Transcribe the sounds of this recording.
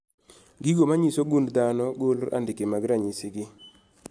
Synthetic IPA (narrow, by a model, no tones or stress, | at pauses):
ɡiɡomaɲisoɡund̪anɔɡolɾʔa̰ndɪkemaɡɾaɲisɪɡɪ